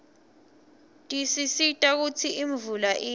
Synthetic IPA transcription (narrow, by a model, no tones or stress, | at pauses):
tʼisisitʼak̬ut͡sʰiʔiɱvulaʔiː